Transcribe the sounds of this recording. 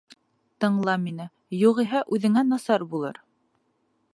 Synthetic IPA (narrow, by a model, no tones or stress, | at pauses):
t̪ɤ̆ɴlˠɑminɘ | juʁiɦæʔʉðɘ̆ŋænɑsɑɾbulˠɤ̰ɾ